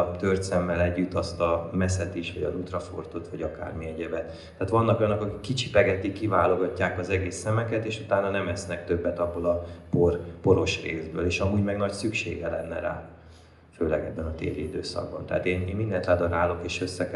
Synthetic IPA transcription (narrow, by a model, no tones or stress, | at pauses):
t̪ørt̪sɛmːɛlɛɟːyt̪ːɒst̪ɒmɛsɛt̪iʃʋɒɟɒ̰zut̪rɒfo̞̰rt̪o̞t̪ʋɒɟɒka̰ːrmiɛɟɛbɛt̪ːaːt̪ʋɒnːɒkojɒnːokɒki̥kːit͡ʃi̥pɛɡɛt̪ikːivaːlo̞ɡɒcːaːkɒzɛɡeːsːɛmɛkɛt̪eːʃut̪aːnɒnɛmɛsnɛk̚t̪ø̞bːɛt̪ɒbːolɒporpo̞ɾo̞ʃreːzbøːleːʃɒmuːɟmɛɡnɒcsykʃḛːɡɛlɛ̰nːɛɾa̰ː | føːlɛɡɛbːɛnɒt̪ḛːɾiid̪ø̰ːsɒ̰ɡbɒ̰nt̪ɛɦːt̪eːneːnmind̪ɛnt̪laːd̪ɒɾaːlo̞keːʃøsːɛk